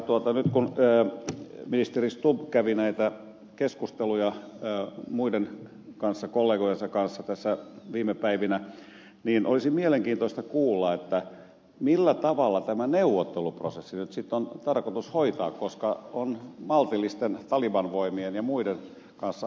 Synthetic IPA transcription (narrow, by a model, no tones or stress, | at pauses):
t̪uot̪ɑnyt̪kunːminist̪erist̪ubkæʋinæit̪æ | keskust̪elujɑ | muiden | kɑnsːɑkolːeːɡojensɑkɑnsːɑt̪æsːæʋiːmepæiʋinæ | niːnʔo̰lisimieleŋkiːnt̪oĭst̪ɑkuːlːɑet̪ːæ | milːæt̪ɑʋɑlːɑt̪æmæneuʋot̪ːelupro̰sesːinyt̪sit̪ːont̪ɑrkot̪ushoit̪ɑ̰ːkkoskɑonmɑlt̪ilːˑist̪ent̪ɑliʋɑnʋoimienjɑmuiden | kɑnsːɑ